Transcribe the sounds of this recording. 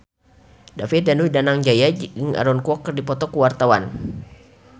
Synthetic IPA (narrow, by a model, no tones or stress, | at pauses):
dafit̪̚danuidanaŋd͡ʒajaəŋa̰ɾɔnkuɔkːərdipɔt̪ɔkuwart̪awan